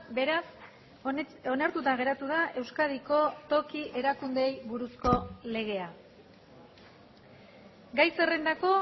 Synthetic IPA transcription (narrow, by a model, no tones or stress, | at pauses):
beɾas | o̞naɾt̪ut̪aɣ̞e̞ɾat̪uð̞aʔe̞wskaðiko̞t̪o̞kiʔe̞ɾakund̪e̞jβuɾusko̞le̞ɣ̞e̞a | ɡajse̞re̞nd̪ako̞